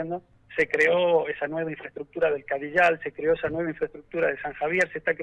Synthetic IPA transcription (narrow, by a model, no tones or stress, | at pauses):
end̪o | sekɾeo̞esanwe̞β̞aĩɱfɾest̪ɾuk̚t̪uɾaðe̞lkaðiʒalse̞kɾeo̞esanwe̞βiɱfɾest̪ɾuk̚t̪uɾaðesaŋxaβ̞je̞ɾsest̪ake